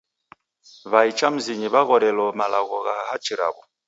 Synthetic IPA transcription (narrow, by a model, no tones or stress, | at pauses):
βait͡ʃam̩ziɲiβaɣɔɾɛlɔmalaɣɔɣahat͡ʃiɾa̰bɔ